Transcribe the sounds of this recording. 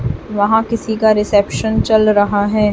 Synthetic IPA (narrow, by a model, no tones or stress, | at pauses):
ʋɐɦãkɪsikaɾɪsɛpʃənt͡ʃɐlɾɐɦaɦɛː